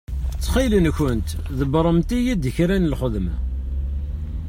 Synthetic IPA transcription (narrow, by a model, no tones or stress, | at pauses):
t͡sːχilənçənt̪ðəbɾˤəmt̪ijæd̪əçɾænəlχəðmæ